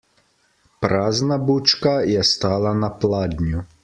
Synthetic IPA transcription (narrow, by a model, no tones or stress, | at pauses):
pɾaznabut͡ʃkajɛst̪alˠanaplˠad̪ɲʲu